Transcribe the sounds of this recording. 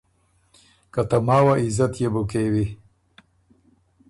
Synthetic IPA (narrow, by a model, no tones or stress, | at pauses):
kat̪amaːwaizat̪jebukewi